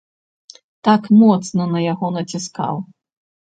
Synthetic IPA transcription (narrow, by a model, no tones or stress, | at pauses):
t̪akmɔt̪snɐnɐjaɣɔnɐt͡sʲiska̰w